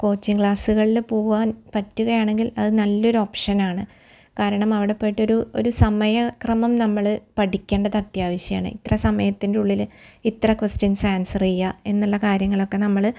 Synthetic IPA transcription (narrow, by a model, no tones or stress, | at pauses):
ko̞ːt͡ɕːiŋkɭaːsuɣɐɭilpoːɣuʋaːnpɐtːuɣɐjaːɳe̞ŋɡilɐðɨnɐlːo̞ɾuo̞ːpʂɐnaːɳɨ | kaːɾɐɳɐmɐʋiɽepːejʈːo̞ɾuo̞̰ɾusɐmɐjɐkrɐmɐmnɐmːɐɭpɐʈikʲːe̞ːɳɖɐðɐt̪jaːʋɐɕjɐja̰ːɳɨ̰ḭt̪ːrɐsɐmɐjɐt̪ːindeuɭːilit̪rɐkʋɐstinsaːnsɐrijːɐe̞nːuɭːɐkaːɾjɐŋːɐɭo̞kːe̞nɐmːɐɭ